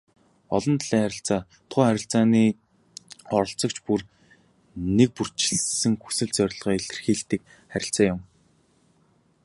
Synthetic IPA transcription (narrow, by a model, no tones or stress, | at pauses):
ɔɮɞ̆nt̪ʰɮiːŋχæɾʲɪ̆ɬt͡saː | t̪ʰʊːχæɾʲɪ̆ɬt͡saːniː | ɔɾɞ̆ɬt͡sɞ̆k̚t͡ɕpur | nek̚pur̥t͡ɕɪ̥̆ɮsɘ̆ŋxu̥sɘ̆ɮt͡sœɾʲɪ̆ɮʁœːiɬt̪ɘ̆rxiːɮt̪iːk̚ | χæɾʲɪ̆ɬt͡saːjʊm